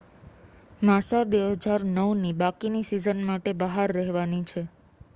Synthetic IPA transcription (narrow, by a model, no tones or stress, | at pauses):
masabeɦəd͡ʒaɾnəwnibakinisizənmaʈebəɦaɾːəɦʋanit͡ʃʰe